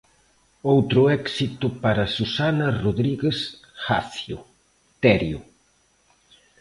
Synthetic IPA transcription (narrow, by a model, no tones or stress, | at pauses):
owt̪ɾʊɛksit̪ʊpaɾɐsusanɐroðɾiɣes | xaθjʊ̰ | t̪ɛɾjʊ̰